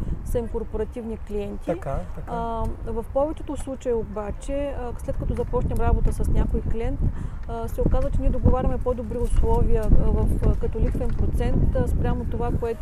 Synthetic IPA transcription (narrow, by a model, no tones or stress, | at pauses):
sɐimkoɾpoɾɐt̪ʲivnikliɛnt̪ʲi | vɐfpɔvɛt͡ʃɛ̥t̪oslˠut͡ʃəjiobat͡ʃɛslɛt̪kɐt̪ɔzɐpɔʃnʲɛmɾabot̪əsɐsnʲakoiklʲɛnt̪sɛokazvət͡ʃɛniɛd̪oɡovaɾʲɐmɛpod̪obɾiʊslˠɔviəvəfkɐt̪olik̪sɛnpɾot̪sɛnt̪spɾʲamot̪ovakoɛt̪